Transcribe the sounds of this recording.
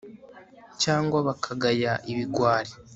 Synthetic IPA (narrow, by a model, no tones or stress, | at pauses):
caːŋɡwaβakʰaɡajaʔiβiɡwaːɾe